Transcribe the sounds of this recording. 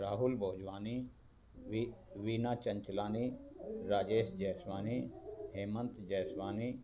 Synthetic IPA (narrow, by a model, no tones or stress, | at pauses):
ɾaːɦʊlboːd͡ʒʋaːni | ʋiːnaːt͡ʃɐɲt͡ʃlaːniːɾaːd͡ʒeːsd͡ʒɛːsʋaːniɦeːmənt̪d͡ʒɛːsʋaːniː